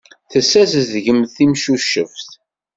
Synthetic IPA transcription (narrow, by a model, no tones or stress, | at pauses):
θəsːæzðʝəmθimʃuʃəfθ